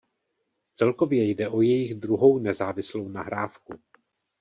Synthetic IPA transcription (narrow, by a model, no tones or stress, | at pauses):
t͡sɛlko̞vjɛjdɛʔo̞jɛjɪɣd̪ɾuɦo̞wnɛzaːvɪslo̞wnaɦɾaːfku